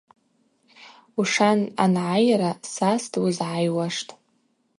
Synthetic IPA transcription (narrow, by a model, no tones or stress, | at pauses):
uʂana̰nʕajaɾasastʰʼwizʕajwaʂtʼ